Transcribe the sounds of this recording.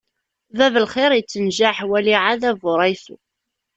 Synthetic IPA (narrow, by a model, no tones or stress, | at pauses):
vævəlχɪɾˤjət͡sːənʒaħwæliʕaðævʊɾˤɑjθu